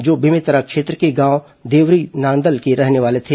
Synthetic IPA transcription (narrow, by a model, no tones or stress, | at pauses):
d͡ʒoːbɪmɪt̪əɾakʃeːt̪ɾəkeɡãːw | d̪eːʋɾinãːnd̪əlkeɾɛɦneʋaːlet̪ʰeː